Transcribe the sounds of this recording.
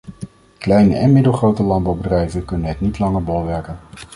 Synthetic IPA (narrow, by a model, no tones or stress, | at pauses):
klɛjnə̰ʔɛnmɪdəlˠχrowtəlɑnd̚bɑwbədrɛjvənkɵnənɦɛtnitlɑŋəɹbɔlˠʋɛɹkən